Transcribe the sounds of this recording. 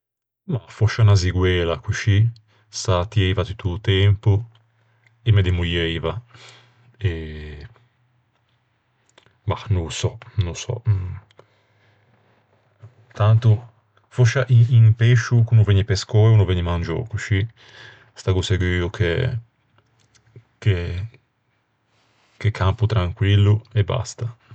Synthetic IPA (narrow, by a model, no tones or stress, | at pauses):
mafoʃanaziɡwɛlakuʃi | sat̪iivat̪ut̪ːut̪ɛmpu | emed̪emujiva | e | manusɔnusɔ̰ | t̪ant̪u | foʃaʔiinpeʃukunuveɲipeskɔjunuveɲimand͡ʒɔ̰kuʃi | st̪aɡuseɡwyːukʰḛ | ke | kekʰamput̪ɾaŋkwilːueba̰st̪a